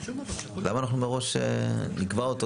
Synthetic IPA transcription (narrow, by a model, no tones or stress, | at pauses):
lamaːnaχnumeʁo̞ʃḛnikvaot̪o